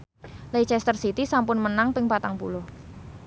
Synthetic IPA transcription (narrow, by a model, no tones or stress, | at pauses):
let͡ʃɛst̪ərsit̪isampʊnmənaŋpɪŋpat̪aŋpṵlʊh